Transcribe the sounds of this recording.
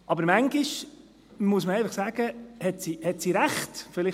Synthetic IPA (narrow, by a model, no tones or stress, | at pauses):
ʔɑbəɾmæŋɡiʃ | muəsməɛɪfɑχsæːɡ̥əhɛtsiːhɛtsiːɾæχtfɪlɪ